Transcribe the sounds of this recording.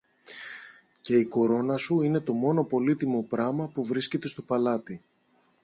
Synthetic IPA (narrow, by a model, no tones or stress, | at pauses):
ce̞iko̞ɾo̞nɐsuine̞t̪o̞mo̞no̞po̞lit̪imo̞pɾɐmɐpuvɾisce̞t̪e̞st̪o̞pɐlɐt̪i